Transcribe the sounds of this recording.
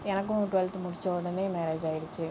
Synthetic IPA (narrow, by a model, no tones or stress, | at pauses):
ɛnɐk̬ːʊ̃ʈʊʋɛlt̪mʊɽɪt͡ʃːoːɽɐneːmɛɾeːd͡ʒaːjɪɽɯt͡ʃːɯ